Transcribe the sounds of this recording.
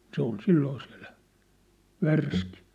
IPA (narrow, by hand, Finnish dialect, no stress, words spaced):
se ol silːoː si̥æ̥̝l̥ːæ̥ ʋærski